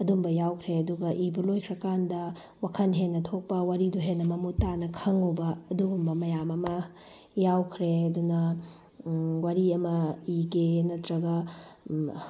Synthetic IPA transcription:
ɐdumbɐjawkʰɾeɐduɡɐʔibɐlojkʰɾɐkandɐ | wakʰɐnɦenːɐtʰok̚pɐwaɾiduɦenːɐmɐmutanɐkʰɐŋɐwbɐɐduɡumbɐmɐjamɐmɐ | jawkʰɾeɐdunɐ | waɾiɐmɐiɡenɐtɾɐɡɐ

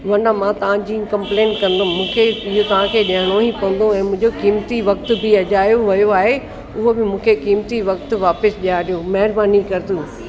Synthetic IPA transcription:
ʋɐ̃ɳɖãmãːt̪ɐʋ̤ãd͡ʑĩːkɐ̃mplẽːnʈkɐ̃n̆d̪ʊmũːkʰeɪɦot̪ɐʋ̤ãkʰeːɗɐəɽ̃oɦĩpɐ̃nd̪õɛ̃ːmʊ̃ɦɪ̃d͡ʑokiːmt̪iʋɐk̚t̪ʊ̆bʱɪɐʄaːjoʋɐjoaːɦe | ʊɦobɪmũːkʰekiːmt̪iʋɐkt̪ʋaːpɪsʄijaːɗijomɐɦɪɾbaːnikɐɾɪt̪uː

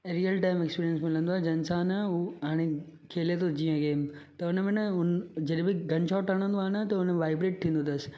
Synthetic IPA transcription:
ɾijəlʈaːɪmekspiːɾijənsmɪlə̃nd̪oaːɦd͡ʑɐɪnsaːnuɦaːɽ̃e | kʰeːlet̪ʰod͡ʑiːə̃ɡeːmt̪ɐʊnəmẽnəʊnd͡ʑɐɗbɪɡʱɐ̃ɲt͡ɕʰaːʈɐɽ̃ə̃nd̪oaːnət̪ɐʊnəʋaːɪbɾeːʈ̚t̪ʰĩːnd̪ot̪ɐsɪ̥

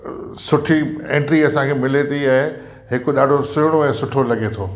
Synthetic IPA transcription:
sʊʈʰiḛ̃ːɳʈɾiɐsãkʰeːmɪlet̪ʰiɛ̃ː | ɦɪkoɗaːɖʱosʊɦɽ̃oɛ̃ːsʊʈʰolɐɠet̪ʰoː

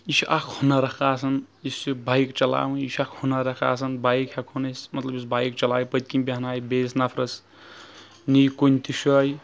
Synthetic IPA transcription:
isʔakʰhunɐɾɐkʰaːsʰɐn | isibajkt͡ʃɐla̰ːwũiʃʰakʰhunaɾɐka̰ːsʰɐnbajkʰakʰunɐsmɐt̪lɐbis̬bʱajik̚t͡ʃɐlaːjpət̪̚kimbʲiɦnaːjbesnapʰɾɐs | nijkunʲt̪ʰiʃoj

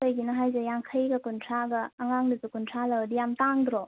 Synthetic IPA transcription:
kəjɡinɐɦajzejaŋkʰəjɡɐkuntʰɾaɡɐːŋaŋdɯzukuntʰɾalawdijamtaŋdɾɔ

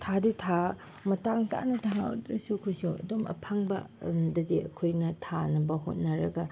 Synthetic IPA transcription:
tʰaditʰa | mɐtaŋsa̰nɐtʰaŋao̰dɾɐsuɐkʰojsuɐ̰domɐ̰pʰaŋbɐ̰dɐdiɐ̰kʰojnɐtʰanɐbɐɦo̰t̚nɐɾɐɡɐ

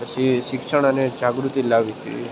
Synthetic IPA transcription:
pət͡ʃʰiʃɪkʃəɽ̃əned͡ʒaɡɾut̪ilaʋit̪ḭɦə̰i

